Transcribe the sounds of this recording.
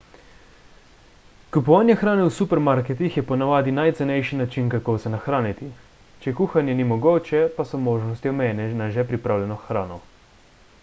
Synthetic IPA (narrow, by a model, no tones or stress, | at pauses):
kupɔʋaːnjɛxɾaːnɛwsupɛɾmaɾkɛt̪ixjɛpɔnaʋaːd̪inajt̪sɛnɛjʃinat͡ʃinkakowsɛnaxɾaːnit̪i | t͡ʃɛkuːxanjɛnimɔɡoːt͡ʃɛpasɔmoːʒnɔst̪iɔmɛjɛnɛnaʒɛpɾipɾaːwljɛnɔxɾaːnɔ